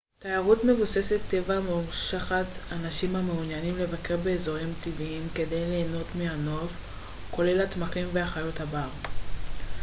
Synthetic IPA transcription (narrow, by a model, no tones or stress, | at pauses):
tajaʁutme̞vuse̞set̪ːe̞vamumʃaχatanaʃimhame̞unjanimle̞vake̞ʁbe̞ːzo̞ʁimtiviimke̞de̞jle̞ːno̞tmeano̞f | ko̞le̞latmaχimveaχajo̞thaba